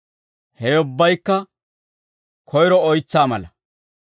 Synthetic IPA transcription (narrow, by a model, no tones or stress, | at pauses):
hɛjʊbːɐjkːɐ | kʰɔjɾɔɔjt͡sːaːmɐlɐ